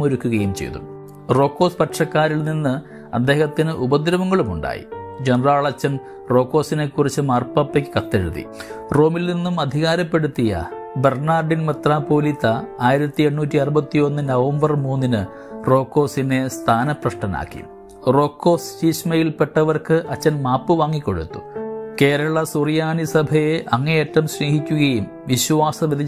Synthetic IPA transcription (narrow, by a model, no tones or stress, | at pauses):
moɾukːuɣɐjumt͡ɕe̞̰jt̪ṵm | ro̞ːkːo̞ːspɐʈʂɐkːaːɾilninːɨ | ɐ̰d̪ːe̞ːhɐt̪ːinɨʔubɐd̪iɾɐmɐŋːɐɭumuɳɖa̰ːjḭd͡ʑenraːɭɐt͡ɕːɐn | ro̞ːkːo̞ːsine̞kːurit͡ɕːɨmɐːrpɐpːekʲːɨ̥kɐt̪ːeɻuðḭ | ro̞ːmilninːumɐd̪ʱiɣaːɾɐpːe̞ɽut̪ːijɐ̰ | berɳaːrɖinmɐt̪raːpo̞ːlit̪ːɐaːjiɾɐt̪ːie̞ɳːuːtːiɐrubɐt̪ːio̞nːɨnɐʋɐmbɐrmuːnːinɨ | ro̞ːkːo̞ːsine̞st̪ʰaːnɐprɐʂʈɐna̰ːkːḭ | ro̞ːkːo̞ːst͡ɕiːɕmɐjilpe̞ʈːɐʋɐrkɨʔɐt͡ɕːɐnmaːpːɨʋaːŋːikːo̞̰ɽṵt̪ːu̥̰ke̞ːɾɐɭɐsurjaːnisɐbʱɐjeʔɐŋːɐjetːɐmɕneːɦikʲːuɣɐjum | ʋiɕʋaːsɐʋid̪ʱi